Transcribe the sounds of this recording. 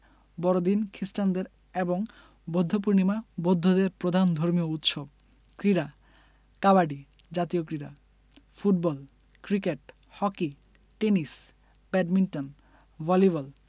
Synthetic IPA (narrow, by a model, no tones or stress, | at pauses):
bɔɾod̪inkʰɾisʈand̪eɾ | eboŋ | bod̪ʱːop̬uɾnimabod̪ʱːod̪eɾpɾod̪ʱand̪ʱoɾmiout̪ʃob̚ | kɾiɾa | kabaɖi | d͡ʑat̪iokɾiɾa | fuʈ̚bɔl | kɾikeʈ | hɔki | ʈenis | bɛɖminʈon | bɔliβal